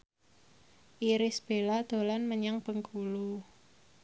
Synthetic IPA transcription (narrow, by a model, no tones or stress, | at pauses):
ʔiɾɪsb̥e̤lad̪̥o̤lanməɲaŋpəŋkʰulu